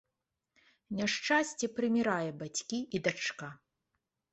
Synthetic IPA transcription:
nʲaʂt͡ʂasʲt͡sʲɛpɾɨmʲiɾajɛbat͡sʲkʲiʔid̪at͡ʂka

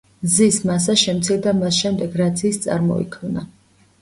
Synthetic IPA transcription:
zismas̬aʃɛmt̪sʰiɾd̪amasʃɛmd̪ɛɡɾat̪sʰiːst̪sʼa̰ɾmɔ̰ḭkʰmna

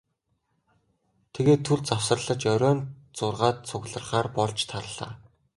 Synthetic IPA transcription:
t̪ʰeɣeːt̪ʰːuɮt͡sawsrə̆ɮə̆t͡ɕœɾʲœːn | t͡sʊrʁaːt̪̚t͡sʰʊɣɮə̆rχaːrpɔɮt͡ɕt̪ʰaɾə̆ɮa̰ː

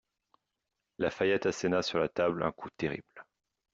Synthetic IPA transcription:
lafajat̪asɛnasyʁlat̪ablɛ̰̃kut̪eʁḭbl

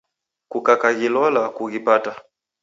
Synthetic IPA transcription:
kukakaɣilɔlakuɣipata

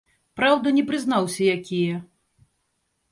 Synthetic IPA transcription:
pɾawd̪ɐnʲɛpɾɨznawsʲɐjakʲijɛ

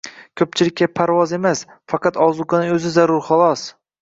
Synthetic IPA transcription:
kʲʰɵp̚t͡ʃʰɪlɪkʲʰːapʰaɾvɒze̞mas | fɑqʰɑt̪ɒzʊɡanɪɵzɪzaɾʊɾχɒlˠɒs

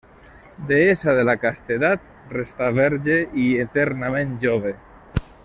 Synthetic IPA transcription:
d̪eesaðelakast̪eðat̪̚ | rest̪aβɛɾʒeiet̪eɾnamẽnʒoβ̞e

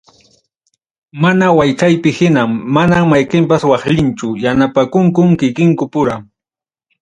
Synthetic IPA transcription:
manawajt͡ʃajpɪhɪnaŋːanaŋmajqɪmpaswɑχʎɪnt͡ʃʊjanapakʊŋkʊmkɪkɪŋkʊpʊɾaŋ

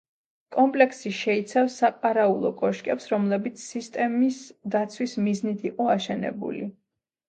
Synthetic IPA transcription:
kʼɔmpʼlɛksiʃɛit̪sʰafsːaqʼaɾaulˠɔkʼɔʃkʼɛpsɾɔmlɛbit̪sʰsist̪ʼɛmisd̪at̪sʰwismiznit̪ʰiqʼɔaʃɛnɛ̰bṵli

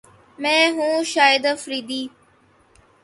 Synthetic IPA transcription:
mɛ̃ːɦũːʃaːjəd̪fɾiːd̪iː

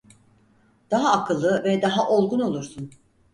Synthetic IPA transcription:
d̪̥aɦaːkʰɯlˠːɯvɛd̪aɦaʔolˠɡuno̞lˠuɾsun

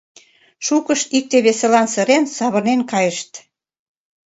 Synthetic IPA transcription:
ʃukəʃik̚t̪eβeselɑnsəɾensɑβə̆rnenkɑjəʃt̪

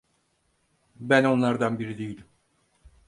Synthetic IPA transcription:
bæno̞nlˠaɾd̪anbiɾid̪ejilʲim

